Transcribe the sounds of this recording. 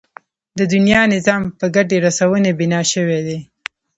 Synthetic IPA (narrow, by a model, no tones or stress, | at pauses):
d̪əd̪ʊnjɑnɪzɑmpəɡaɖeɾasawənebɪnɑʃəwed̪e